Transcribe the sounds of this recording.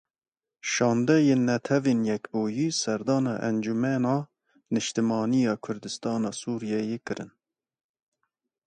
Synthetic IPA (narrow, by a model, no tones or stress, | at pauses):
ʃɑːnd̪ɛjeːnːɛt̪ʰɛveːnjɛkboːjiːsɛɾd̪ɑːnɑ̰ːʔɛ̰nd͡ʒumɛnɑː | nɨʃt̪ɨmɑːnijɑːkʰʊɾd̪ɨst̪ɑːnɑːsuːɾijɛjeːkɨɾɨn